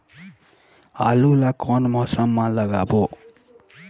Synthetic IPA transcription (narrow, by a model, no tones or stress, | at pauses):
alulakɔnmʌsʌmːãlʌɡabo